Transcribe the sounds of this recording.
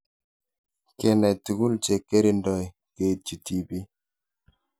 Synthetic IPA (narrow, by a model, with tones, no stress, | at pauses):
kɛ˨nɛ˨tu˨ɡu˦lt͡ʃe˨ke˦ɾi˦ndɔ˨j | ke˦˨t͡ʃi˨ti˨bi˦